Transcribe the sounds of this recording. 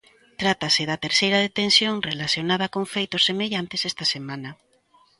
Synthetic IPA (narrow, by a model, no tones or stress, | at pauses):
t̪ɾat̪ɐsɪðɐt̪eɾsejɾɐðet̪ensjoŋrelaθjonað̞ɐkõŋfejt̪ʊsːemeʎant̪ɪsɛst̪ɐsemãnɐ